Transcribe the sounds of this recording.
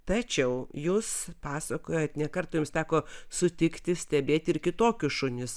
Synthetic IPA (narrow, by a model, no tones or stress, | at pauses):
t̪ɐt͡ʃʲɛʊjuːspɑːsɐkoːjɛt̪nʲɛkɐrt̪oːjʊmst̪ʲæːkoːsʊt̪ʲɪkt̪ʲɪsʲt̪ʲɛbʲeːt̪ʲɪrkʲɪt̪oːkʲʊsʃʊnʲɪs